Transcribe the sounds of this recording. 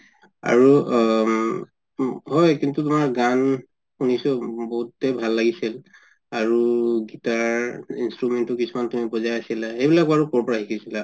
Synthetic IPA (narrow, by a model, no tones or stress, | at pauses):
a̰ɹu | ɦɔjkintut̬ʊmaɹɡan | unisɔboɦutːebʱalːaɡisil | aɹuɡitaɹinstɹumentʊkisʰumantumipɔzajasilaxejbilakɔaɹukɔɹpɔɹaɦikʰisila